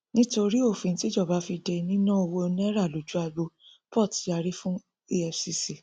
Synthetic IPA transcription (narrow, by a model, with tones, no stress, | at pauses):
nĩ˦to˧ɾi˦o˦˨fĩ˨˦ti˦d͡ʒɔ˦˨ba˨˦fi˧dɛ˧nĩ˦nã˦o˧wo˧ñ˦ɾa˦˨lo˨˦d͡ʒu˦a˧bo˧pɔ˦˨ti˨˦a˨˧ɾi˦fũ˦ | i˦ɛ˧fsi˧si˨